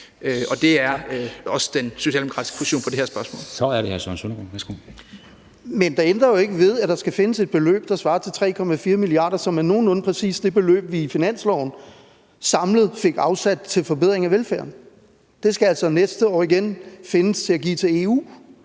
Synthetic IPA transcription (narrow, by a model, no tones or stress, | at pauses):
øɒ̽d̥e̝æɐɒ̽səd̥enso̝ɕɛ̰ːldemo̥kʰʁɑ̥̈i̥sɡ̥ʰosi̥o̰ːnpʰɒ̽d̥eeɐsb̥ɶɐsmɔ̰̽ːlsɒ̽æɐɾ̥ehæɐsɒnsonɐ̥oʋæɐsɡ̥o̰ | mend̥ɑ̈end̥ʁɐjo̝e̝ɡ̥əʋe̝ðˠæd̥ɑ̈sɡ̥æfe̝nəse̝d̚b̥e̝lø̰ːb̥̚d̥ɑ̈sʋɑ̈ːt͡sʰe̝lt͡sʰʁɛ̰ːkʰɒ̽mæfiːɐmiliɑ̰̈ːd̥ɐsɒ̽mæno̝ːn̩ɔ̽n̩pʰʁɛsḭːsd̥e̝b̥e̝lø̰ːb̥ʋifinæn̰slɒʊn̩ | sɑ̈mləð̞̩ˠfe̝ɡ̥ɑ̈ʊsæd̥t͡sʰe̝lfɒ̽b̥eð̰ˠʁeŋæʋelfæ̰ɐn | d̥e̝sɡ̥æælsɒ̽nesd̥əɒ̰ːiɡ̥enfe̝nəst͡sʰe̝æɡ̥ḭːt͡sʰe̝e̝ṵː